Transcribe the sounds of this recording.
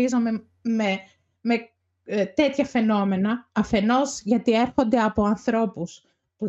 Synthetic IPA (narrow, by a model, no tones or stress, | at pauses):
izome̞ | me | me | t̪e̞t̪çɐfe̞no̞me̞nɐːfe̞no̞zʝɐt̪ie̞ɾxo̞nd̪e̞ɐpo̞ɐnθɾo̞pus | p